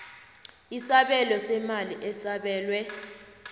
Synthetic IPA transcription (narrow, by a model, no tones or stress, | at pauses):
isaɓɛlɔsɛmaliʔɛsaɓɛːlwɛ